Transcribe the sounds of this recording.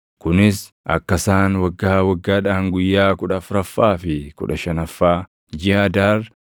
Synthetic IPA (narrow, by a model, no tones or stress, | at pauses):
kʊnɪs | ʔɐ̰kːɐsaːnwɐɡːaːwɐɡːaːᶑaːŋɡʊjːaːkʊᶑɐfɾɐfːaːfɪkʊ̰ᶑɐʃɐnɐfːaː | d͡ʒɪɐd̪aːr